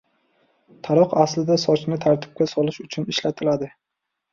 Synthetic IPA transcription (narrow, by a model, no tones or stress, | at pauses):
t̪ʰaɾɒqaslɪd̪asɒt͡ʃnɪt̪ʰaɾt̪ʰɪ̥p̚kʲasɒlɪʃʊt͡ʃʰʊnɪʃlat̪ʰɪlad̪ɪ